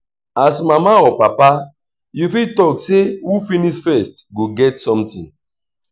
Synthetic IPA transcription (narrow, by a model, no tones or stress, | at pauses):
asmamaɔpapa | jufitɔksewufinisfɛstɡoɡɛtsɔ̃mtĩn